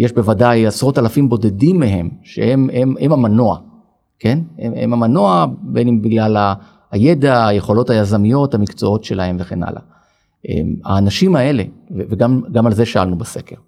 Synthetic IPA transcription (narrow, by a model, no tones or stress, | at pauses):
jeʃbe̞vadajasʁo̞talafimbo̞de̞dimːeɦe̞mʃḛhememhemamanoa | ke̞neḛmamano̞abenimbiɡlalaː | jedaːjeχo̞lo̞thajazamijo̞thamikt͡so̞o̞tʃe̞lahe̞mveχe̞na̰la̰ | ʔḛma̰ːnaʃimae̞le̞veveɡamɡamalze̞ʃaalnubase̞ke̞ʁ